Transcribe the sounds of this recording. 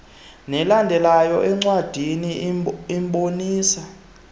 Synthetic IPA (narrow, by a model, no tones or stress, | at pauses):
nɛlandʱɛlajɔʔɛŋ͡ǀwad̥ʱiniimɓoniːsa